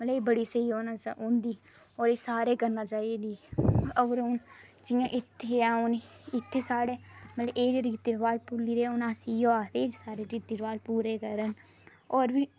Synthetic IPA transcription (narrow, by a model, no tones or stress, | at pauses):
mət̪ləeːbəɽiːsəiːoːnaːõnd̪iː | ɔːɾeːsaːɾeːkəɾnaːt͡ʃaːid̪iːəɡəɾʊn | d͡ʒɪjãːʔɪt̪ʰːeãːʊn | ɪt̪ʰːeːsaːɽeːmət̪ləeːɾeɾiːt̪iɾʋaːlpʊliːɾeːʊnãːsiːjoːaːt̪eːɾisaːɾeːɾiːt̪iɾʋaːlpuːɾeːkəɾən | ɔːɾʋiː